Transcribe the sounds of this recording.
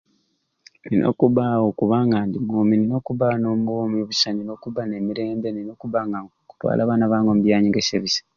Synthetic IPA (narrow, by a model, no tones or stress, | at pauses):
ninʔo̞̰ːkuβaokuβaŋɡandimoːminino̞ːkuβano̞ːmuoːmiβusanino̞kuβane̞miɾe̞ːmbe̞nino̞ːkuβaŋɡaŋɡoku̥twa̰ːlʔaβanaβaːŋɡomubjaːɲiŋɡeseβisḁ